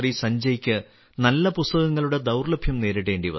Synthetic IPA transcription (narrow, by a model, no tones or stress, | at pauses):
risɐɲd͡ʑɐjikʲːɨ | nɐlːɐpust̪ɐɣɐŋːɐɭuɽe̞d̪ɐwrlɐbʱjɐmne̞ːɾiɽe̞ːɳɖiʋɐ̰